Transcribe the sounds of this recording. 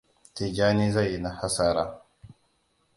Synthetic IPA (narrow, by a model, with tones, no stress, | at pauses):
te˨ɡʲaː˦niː˦za˦˨jːi˨na˨ha˦saː˦ɾaː˦